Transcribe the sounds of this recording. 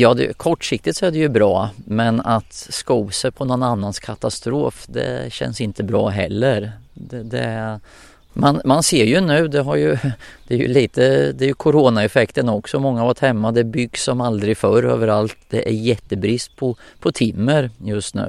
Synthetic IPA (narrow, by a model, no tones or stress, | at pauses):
jɑːd̪ɛ̰kʰɔʈːʂɪk̚t̪ɪt̪sɔɛɖ̪ɛjɵbɾɑːmɛnat̪skuːsəpʰɔnɔnanːanskʰat̪ast̪ɾoːfd̪ɛ̰ɕɛ̰nsɪnt̪ʰəbɾɑ̰ːɦɛ̰lːəɾd̪ɛd̪ɛ̰ | manmanseːɾjɵnʉ̟ːd̪ɛɦaɾjɵd̪̥ɛæɾjɵ̰liːt̪əd̪ɛæɾjɵkʰʊɾoːnaɛfɛkt̪ənɔksɔmɔŋːavaʈ̪hɛmːad̪ɛbʏɡsɔmald̪ɾɪfœɾø̰ːvəɾalt̪d̪̥ɛʔæɾjɛt̪ːəbɾɪst̪̚pʰɔpʰɔt̪ʰɪmːəɾjɵst̪nʉ̟̰ː